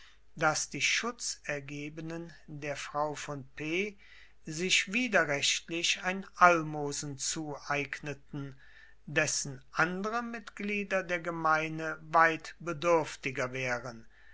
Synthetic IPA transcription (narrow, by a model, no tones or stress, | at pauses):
d̥asd̥iːʃʊt͡sɛɐɡeːbənəndeːɐfʁ̥aʊfɔnpeː | zɪʃv̥iːdɐʁɛʃtlɪʃaɪnʔalmoːzn̩t͡suːʔaɪɡnətn̩ | dɛsn̩ʔandəʁəmɪtɡ̥liːdɐdeːɐɡəmaɪnəvaɪtb̥ədʏɐftɪɡɐvɛːʁən